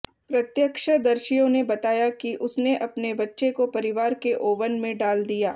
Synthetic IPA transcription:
pɾɐt̪jəkʃəd̪ɐɾʃijõnebɐt̪aːjakiʔʊsneʔɐpnebɐtːʃekopɐɾɪʋaːɾkeʔoːʋənmẽɖaːld̪ijaː

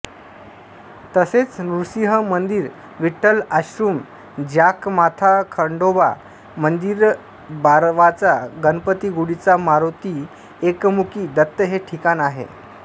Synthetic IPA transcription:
t̪əset͡snuɾsiɦəmənd̪iːɾ | ʋiʈəlaɕɾuːm | d͡ʑakmat̪ʰakʰəɳɖoba̰ | mənd̪iɾ | baɾʋat͡saɡənpət̪iːɡuɽit͡samaɾot̪i | ekmukiːd̪ət̪ːəɦeʈʰikanaɦḛ

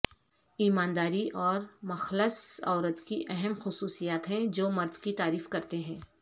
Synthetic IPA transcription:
iːmaːnd̪aːɾiʔɔːɾmɐxləsɔːɾət̪kiʔɛɦɛmxʊsuːsijaːt̪ɦɛ̃d͡ʒoːmɐɾd̪kit̪aːɾiːfkɐɾt̪eɦɛ̃ː

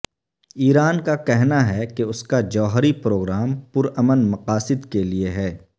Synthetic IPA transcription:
iːɾaːnkakɛɦnaɦɛkeʊskad͡ʒɔːɦɾipɾoːɡɾaːmpʊɾəmənmɐqaːsɪd̪kelieɦɛː

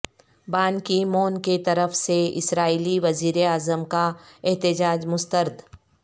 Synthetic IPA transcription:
baːnkimoːnket̪ɐɾəfseɪ̰sɾaːiːliʋɐziːɾeaːzəmkaɛɦt̪ɪd͡ʒaːd͡ʒmʊst̪əɾd̪

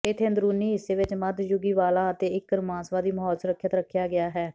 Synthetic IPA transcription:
ɪt̪ʰːẽːnd̪ɾuːniːɦɪsːeːʋɪt͡ʃməd̪jʊɡiːʋaːlãːət̪eːɪkːəɾmãːnsʋaːd̪iːməɦɔːlsəɾəkʰːjət̪ɾəkʰːjaːɡɪaːɦɛː

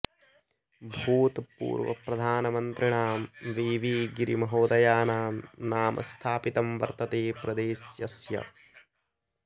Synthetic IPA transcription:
bʱuːt̪pṵːɾʋɐ̰pɾɐd̪ʱaːnɐmɐnt̪ɾiɳaːmʋiːʋiːɡiɾimɐɦoːd̪ɐjaːnaːmnaːmʔɐ̰st̪ʰaːpit̪ɐmʋɐ̰ɾt̪ɐt̪eːpɾɐd̪eːsjɐsjɐ̰

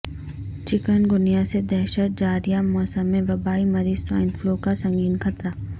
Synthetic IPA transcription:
t͡ʃɪkənɡʊnijased̪ɛɦʃət̪̚d͡ʒaːɾijamɔːsəmːẽʋɐbaːimɐɾiːzsã̰ːɪ̃nfloːkasɐ̃ŋɡiːnxɐt̪ɾa

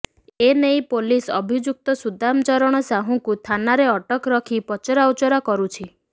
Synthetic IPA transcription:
enejpolisɔbʱid͡ʒuk̚t̪ɔsud̪ʱamt͡ʃɔɾɔɽ̃ɔsaɦũkut̪ʰanaɾeɔʈɔkɾɔkʰipɔt͡ʃɔɾawt͡ʃɔɾɔkɔɾut͡ʃʰi

